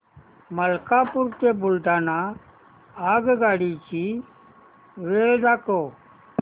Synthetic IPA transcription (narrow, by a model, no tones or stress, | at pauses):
məlkaːpʊɾt̪eːbʊlɖ̪aːnaː | aːɡɡaːɽiːt͡ʃiː | ʋeːld̪aːkoː